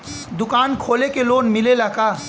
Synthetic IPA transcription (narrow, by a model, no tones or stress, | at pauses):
d̪ʊkaːnkʰoːlekeloːnmɪlelakaː